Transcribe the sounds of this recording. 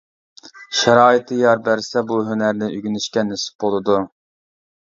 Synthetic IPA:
ʃɛɾɑːit̪ʰɨjɑɾbæɾsɛbuɦønæɾnɪʔyɡʲynɪʃkʲɛnesɪ̥p̚bolˠɨd̪u

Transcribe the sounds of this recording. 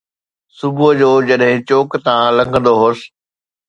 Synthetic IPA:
sʊbʱʊɦd͡ʑoːd͡ʑɐɗɦɪ̃t͡ɕoːkt̪ãlɐ̃ŋɡʱə̃nd̪oɦoːs

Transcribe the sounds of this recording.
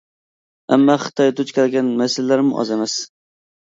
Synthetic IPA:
amːɑχɨ̥t̪ʰɒjd̪ʊt͡ʃkʲalɡʲanmasɪlːaɾmʊʔɒ̰zamas

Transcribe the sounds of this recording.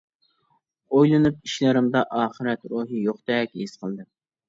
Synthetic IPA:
ojlˠɨnup̚iʃlæɾɪmd̪ɑʔɑːχɨɾɛt̪ɾuːɦijoχd̪ɛkʲisqʰəlˠd̪ɨ

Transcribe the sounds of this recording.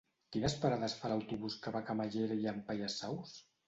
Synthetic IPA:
kinəspaɾaðəsfalawt̪uβuskəβakamaʒeɾjampajasaws

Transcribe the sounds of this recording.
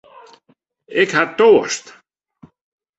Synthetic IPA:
ɪkhaɾt̪owa̰st̪

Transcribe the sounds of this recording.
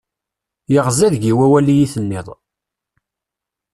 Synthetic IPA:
jəʁzæðʝiwæwælijiθənːɪðˤ

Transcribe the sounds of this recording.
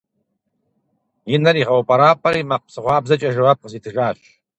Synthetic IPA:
jɪnɐɾiʁɐwɐpʼɐɾaːpʰɐɾimaq̚psɨʁʷɑːbzɐt͡ʃʼɐʒɐwap̚qəsit̪ʰɨʒaːɕ

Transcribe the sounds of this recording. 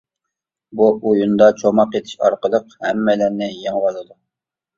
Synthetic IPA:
buujund̪ɑt͡ʃʰomɑqet̪ʰɪ̥ʃɑ̰ɾqəlˠəqhɛmːɛlæɾnɪjeŋwɑlˠɨd̪u

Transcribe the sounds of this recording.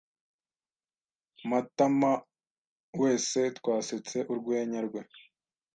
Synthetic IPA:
matama | we̞ːse̞tkwaːset͡se̞ʔuɾɡwe̞ːɲaɾɡwe̞

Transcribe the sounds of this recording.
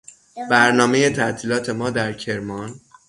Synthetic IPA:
bæɾnɒːme̞je̞t̪ʰæʔt̪ʰiːlɒːt̪ʰe̞mɒːd̪æɾcʰe̞ɾmɒn

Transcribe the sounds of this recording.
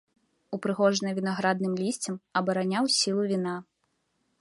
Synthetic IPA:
upɾɨɣɔʐnɐvʲinaɣɾad̪̚nɨmlʲisʲt͡sʲɐmɐbɐɾanʲawsʲilˠuvʲina

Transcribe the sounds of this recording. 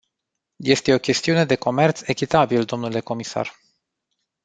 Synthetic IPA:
je̞st̪e̞o̞kʲe̞st̪iune̞d̪e̞ko̞me̞rt̪se̞kʲit̪abild̪o̞mnule̞ko̞misa̰r

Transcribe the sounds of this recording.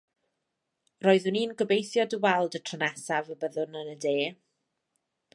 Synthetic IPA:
roːɨð̥hʊniːnɡəbejθjɔdəwɛlˠdətʰrənasavəbəðʊnənədeː

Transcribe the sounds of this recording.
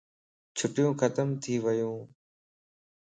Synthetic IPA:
t͡ʃʰʊʈɪjõːkʰət̪əmt̪ʰiːʋəjõː

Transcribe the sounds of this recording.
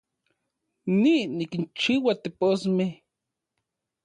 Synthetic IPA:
ninikint͡ʃiwat̪eposmeh

